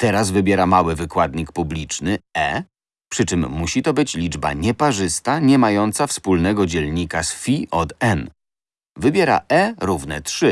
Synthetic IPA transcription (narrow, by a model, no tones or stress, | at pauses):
t̪ɛɾazvɘbʲjɛɾamawɘvɘkwad̪ɲik̚publʲit͡ʂnɘɛ̰ | pʂɘt͡ʂɘmːuɕit̪ɔbɘt͡ɕlʲid͡ʐba̰ɲɛpaʐɘst̪aɲɛmajɔnt̪safspulnɛɡɔd͡ʑɛlɲikasfʲiʔɔt̪ɛn | vɘbʲjɛɾa̰ʔɛɾuvnɛtʂɘ